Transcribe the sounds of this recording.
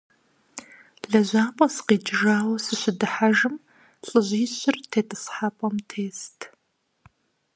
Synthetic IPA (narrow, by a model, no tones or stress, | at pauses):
ɮɐʑʷaːpʼɐsqiːd͡ʒʒaːwɐsɨɕɪdɨħaʒɨm | ɬʼɨʑʷiːɕɪrtʰeːtʼɨsħapʼɐmtʰeːstʰ